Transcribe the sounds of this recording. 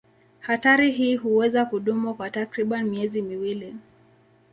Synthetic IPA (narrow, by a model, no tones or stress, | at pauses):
hataɾiɦiːɦuwɛzakuɗumukwatakɾiɓanmiɛzimiwili